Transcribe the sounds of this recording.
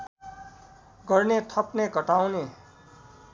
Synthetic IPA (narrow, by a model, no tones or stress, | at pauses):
ɡʌɾnet̪ʰʌpnekʌʈawne